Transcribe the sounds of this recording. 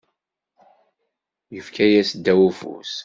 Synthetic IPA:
jəfkʰæjæsd̪ːæwufṵs

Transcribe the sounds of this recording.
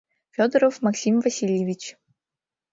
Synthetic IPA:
fʲod̪əɾəfmɐksʲimvɐsʲilʲjɪvʲit͡ɕ

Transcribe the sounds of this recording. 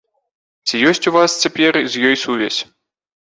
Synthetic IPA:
t͡sʲijɔsʲt͡sʲuvast͡sʲapʲɛrzʲjɔjsuvʲɛsʲ

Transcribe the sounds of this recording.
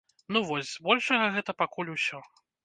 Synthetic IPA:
nuvɔzʲzbɔlʲʂɐɣɐɣɛt̪ɐpakulʲusʲɔ

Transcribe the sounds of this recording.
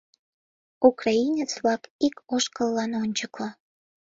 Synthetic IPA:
ukrɑinʲet͡sβlɑkikoʃkəlːɑnonʲt͡ɕəklo

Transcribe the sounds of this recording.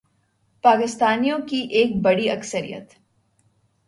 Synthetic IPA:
paːkɪst̪aːnijõkiʔeːk̚bɐɽiɐksəɾḭjə̰t̪

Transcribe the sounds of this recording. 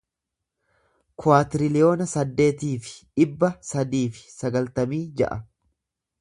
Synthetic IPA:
kʊaːt̪ɪɾɪlɪjo̞ːnɐsɐd̪ːe̞ːt̪iːfɪ̥ɪbːɐsɐd̪iːfɪ̥sɐɡɐlt̪ɐmiːd͡ʒɐ̰ʔɐ

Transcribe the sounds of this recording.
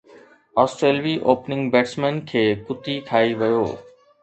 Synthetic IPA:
ɔːsʈɾeːlʋiʔoːpnɪ̃ŋɡbeːʈsmenkʰeːkʊt̪ikʰaːiʋɐjo̰ː

